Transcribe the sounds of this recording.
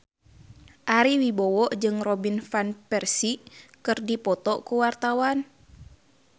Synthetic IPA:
ʔaɾiwibɔwɔʔd͡ʒɨŋrɔbinfanpɛrsikɨrdipɔt̪ɔkuwart̪awan

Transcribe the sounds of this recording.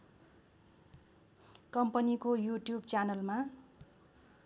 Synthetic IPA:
kʌmpʌnikojuʈjubt͡sanʌlma

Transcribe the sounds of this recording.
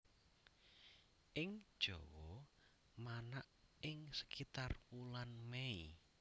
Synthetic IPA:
ʔɪŋd̥ʒ̥ɔwɔ | manaʔɪŋsə̥kit̪arpulanmei

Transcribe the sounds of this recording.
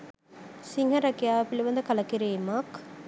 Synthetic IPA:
siŋɦɐɾɐkijaːpilibɐnd̪əkɐlɐkiɾeːmɐk

